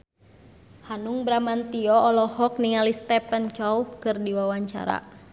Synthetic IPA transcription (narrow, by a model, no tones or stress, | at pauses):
hanuŋbɾamant̪iɔɔlɔhɔk̚niŋalist̪ɛpənt͡ʃɔukɨrdiwawaɲt͡ʃa̰ɾa̰